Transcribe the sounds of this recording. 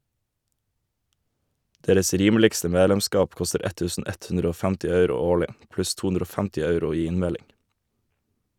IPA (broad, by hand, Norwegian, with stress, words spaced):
ˈdeːɾəs ˈɾiːmlɪkstə ˈmeːlɛmˌskɑːp ˈkɔstəɾ ˈɛt ˈtʉːsn̩ ˈɛt ˈʉnɾ ˈoː ˈfæmtɪ ˈɑʉɾʊ ˈoːɭɪ ˈplʉs ˈtuː ˈʉnɾ ˈoː ˈfæmtɪ ˈɑʉɾʊ ˈiː ˈɪnˌmɛlɪŋ